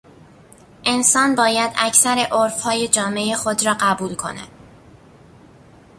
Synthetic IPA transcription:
ʔe̞nsɒːnbɒːjæd̪æcʰsæɾeʔoɾfhɒːje̞d͡ʒɒːme̞exod̪ɾɒːɢæbuːlkʰo̞̰næ̰d̪̥

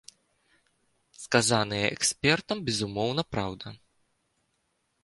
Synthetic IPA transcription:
skazanɨjɛʔɛksʲpʲɛrt̪ɐmbʲɛzumɔwnɐpɾawd̪ɐ

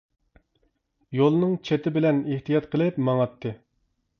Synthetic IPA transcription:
jolˠnɨŋt͡ʃʰet̪ʰɪbɪlɛneht̪ijɑt̪qʰəlˠɪpmɑŋɑt̪ʰːɨ

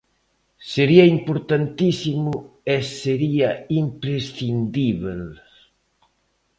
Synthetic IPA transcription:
seɾiɐimpoɾt̪ant̪isimʊeseɾiɐimpɾesθind̪iβel

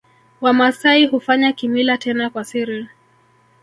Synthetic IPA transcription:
wamasaiɦufaɲakimilatɛnakwasiɾi

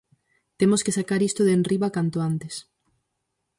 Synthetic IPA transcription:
t̪emoskesakaɾist̪ʊðenriβakant̪oant̪es

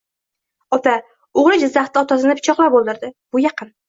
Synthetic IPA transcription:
ɒt̪ʰa | ʊʁɾɪd͡ʒɪzːaχt̪ːɪɒt̪as̬ɪnɪpʰɪt͡ʃʰɒqlˠaɾbolˠd̪ɪɾd̪ɪb̥ʊjɑqʰɨn

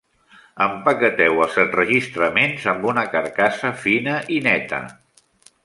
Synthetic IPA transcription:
əmpəkət̪ɛwəlˠzətrəʒist̪ɾəmenzəmbunəkəɾkasəfinəʔinɛt̪ə̰

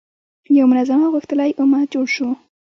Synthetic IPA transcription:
jawmʊnazamaɣuxt̪əlajʔʊmad͡ʒoɽʃu

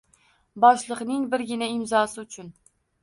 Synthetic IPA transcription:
bɒʃlˠɨqnɪŋbɪɾɡʲɪnaɪmzɒsɪʊt͡ʃʰʊn

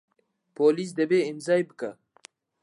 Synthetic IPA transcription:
polis̬d̪ɐbeɪmzɑːjbəka

